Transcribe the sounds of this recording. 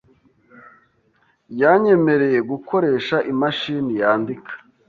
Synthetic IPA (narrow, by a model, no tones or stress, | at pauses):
jaɲe̞me̞ɾe̞je̞ɡuko̞ɾe̞ːʃaʔimaʃinijaːndikʰḁ